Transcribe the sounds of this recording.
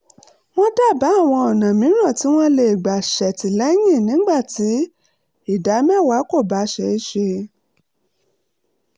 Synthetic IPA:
w̃ɔ̃˦da˦˨ba˨˦˨w̃ɔ̃˧ɔ˨nã˨mĩ˨˦ɾ̃ã˦˨ti˨˦w̃ɔ̃˦le˨i˨ɡ͡ba˨ʃɛ˨ti˨lɛ˨˦j̃ĩ˦˨nĩ˨˦ɡ͡ba˦˨ti˨˦ | i˦˨da˨˦mɛ˦˨wa˨˦ko˦˨ba˨˦ʃɛ˧i˦ʃe˧

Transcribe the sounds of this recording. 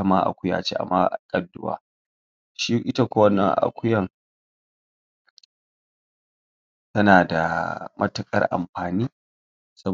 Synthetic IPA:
ɐ˦ma˦ʔa̰˨kʷʊ˦ja̰ː˨t͡ʃḛ˦ʔa̰˨mːa˦ʔa˨kʼɐ˦dʊ˦wa̰ː˦ | ʃi˦ʔɪ˦ta˦kʷo˦wɐ˦nɐ˨ʔa̰˨kʷʊ˦jɐ˨ŋ | tɐ˦naː˨da˨mʔɐ̰˦tɐ˨kʼɐ̰˦rʔa̰˨mɸaː˨niː˦ | sɐ˦

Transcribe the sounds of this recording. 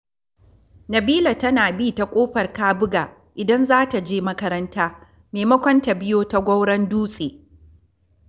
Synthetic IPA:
nɐ˨biː˦la˨tɐ˦naː˨bi˦ta˨kʷʼoː˦ɸɐ˨rkaː˦bʊ˦ɡaː˨ | ʔɪ˨dɐ˦nzaː˦ta˨d͡ʒeː˦mɐ˦kɐ˦ɾɐ˦ntaː˦ | meː˨mɐ˦kʷɔ˦nta˨bɪ˦joː˦ta˦ɡʷɐ˦wɽɐ˦nduː˦sʼeː˨

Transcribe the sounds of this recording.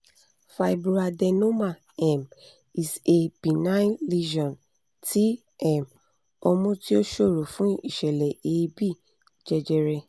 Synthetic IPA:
fa˨bu˦a˧dɛ˧nõ˦mã˦˨ | ɛ˨m | i˨se˨b̥ĩ˨nã˦ĩ˦li˦ʃɔ̃˨n | tʰi˨˦ | ɛ˦˨m | ɔ˧mũ˦ti˦o˦ʃo˦˨ɾo˨fũ˨˦i˦˨ʃɛ˨lɛ˨e˨˦bi˦˨ | d͡ʒɛ˧d͡ʒɛ˧ɾɛ˧

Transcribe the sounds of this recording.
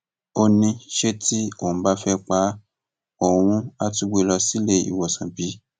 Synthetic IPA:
o˧nĩ˧ʃe˦tʰi˦õ˦˨ũ˧ba˦fɛ˦k͡pa˧˦ | o˨w̃ũ˧˦a˧ti˧ɡ͡be˧˦˧lɔ˧si˦le˧ḭ˨wɔ˨sã˨bi˨˦

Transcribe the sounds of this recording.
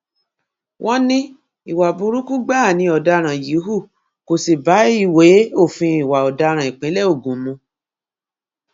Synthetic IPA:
wʔɔ̃˦nĩ˦ | i˨wa˨bu˨˧ɾu˦ku˦ɡ͡ba˦˨nĩ˧˦ɔ˨da˧ɾ̃ã˨ji˨˦ɦu˦˨ | ko˨si˨ba˨˦i˦˨we˨˦o˦˨fĩ˧i˨wa˨ɔ˨da˧ɾ̃ã˨i˨k͡pɛ̃˨˦lɛ˦o˦˨ɡũ˨mũ˧˦

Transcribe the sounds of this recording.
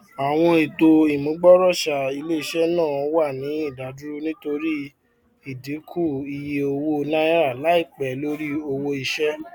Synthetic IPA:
a˨w̃ɔ̃˧e˨to˧i˨mũ˨˦ɡ͡bɔ˦ɾɔ˦˨ʃa˨i˧le˦i˧ʃɛ˦nãː˦˨˧wa˦˨nĩ˨˦i˦˨da˨du˦ɾu˦nĩ˦to˧ɾi˦ | i˦˨di˨˦kʰu˦˨i˧je˧o˧wo˦˧nã˦ja˦ɾa˦˨la˨˦i˦˨k͡pɛ˨lo˦ɾi˦o˧wo˧i˧ʃɛ˦

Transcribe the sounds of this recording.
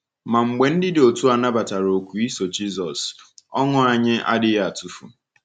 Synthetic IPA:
ma˨ŋ͡m̩˨ɡ͡be˨n̩˦dɪ˦dɪ˨o˨tu˦a˨na˦ba˨ta˨ɾo˨kʷu˨i˦so˨d͡ʒi˦zɔ˨sɔ˦ŋʊ˦a˨ɲɪ˦ʔa̰˦dɪ˦ja˨tu˨fṵ˨

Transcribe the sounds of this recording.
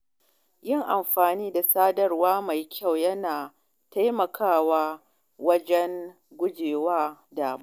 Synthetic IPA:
jɪ˦˨ŋʔa˨mɸaː˨niː˦da˨saː˦dɐ˦rwaː˦ma˨jkʲa˦˨wjɐ˦naː˨ | ta˦jmɐ˨kʰaː˦˨waː˦ | wɐ˦d͡ʒɛ˦ŋ | ɡʷʊ˦d͡ʒeː˨waː˦daː˨mba˦

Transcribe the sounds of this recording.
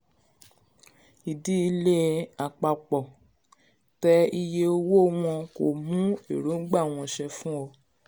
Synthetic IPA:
i˨di˦i˧˦le˦a˨k͡pa˧k͡pɔ˨ | tɛ˧i˧je˧o˧wo˦w̃ɔ̃˧ko˨mũ˨˦e˦˨ɾũ˨˦n̩˦ɡ͡ba˦˨w̃ɔ̃˧ʃɛ˧fũ˦ɔ˧

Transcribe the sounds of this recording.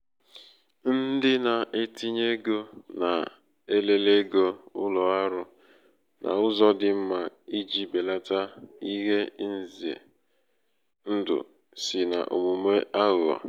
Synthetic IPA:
n̩˦dɪ˦na˨ʔe˦tʰi˦ɲe˦ɡo˦na̰˨ | e˦le˦le˦ɡo˦ʊ˦lɔ˨a˦ɾʊ˦ | nʔa̰˨ʊ˦zɔ˦dɪ˨m̩˦ma˨i˦d͡ʒi˦be˨la˦ta˦i˦ɦe˦n̩˦zi˨ḛ˨ | n̩˦dʊ̰˨ | sɪ˨na̰˨ʔo̰˨mu˨me˦ʔa˦ɣʊ˨a̰˨

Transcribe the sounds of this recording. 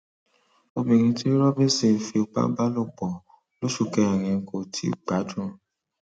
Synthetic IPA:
o˧bi˨ŋ̩̃˧ti˦ɾɔ˦be˦se˦˨fe˧˨k͡pa̰˦ba˦lo˦˨k͡pɔ˨ | lo˦ʃu˧kɛ˧˦ɛ˨ŋĩ˨˧˦ko˨tʰḭ˨˦ɡ͡ba˨˦dɾũ˦

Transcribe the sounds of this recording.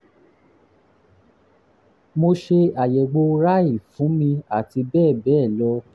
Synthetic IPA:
mo˧ʃe˧a˨jɛ˨ɡ͡bo˧ɾa˦i˦˨fũ˨˦mĩ˧a˨ti˧bɛː˦˨bɛː˦˨lɔ˧˦

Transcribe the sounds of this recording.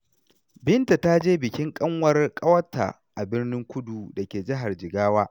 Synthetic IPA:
bɪ˦nta˨ta˦d͡ʒeː˦bɪ˨kʲɪ˦ŋkʼɐ˦ŋwɐ˦rkʼɐ˦wɐ˦tʰːa̰˨ | ʔa˨bɪ˦rnɪ˦ŋkʷʊ˦duː˨dɐ˨kʲeː˨d͡ʒɪ˦ɦa˨rd͡ʒɪ˨ɡaː˦waː˦

